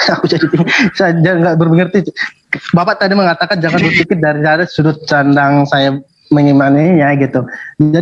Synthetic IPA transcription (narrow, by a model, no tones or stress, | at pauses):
akud͡ʒadip̪iŋsajad͡ʒaŋɡaʔbərbəŋərt̪i | bapaʔt̪adiməŋat̪akand͡ʒaŋanbʊsikɪt̪̚daɾisadasudʊt̪̚t͡ʃandaŋsaja | məɲimanijaɡit̪ud͡ʒa